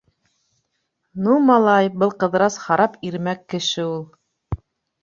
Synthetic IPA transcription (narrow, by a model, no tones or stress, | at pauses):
numɑlˠɑjbɤlˠqɤ̆ðɾɑshɑɾɑpiɾmækːɘ̆ʃɘulˠ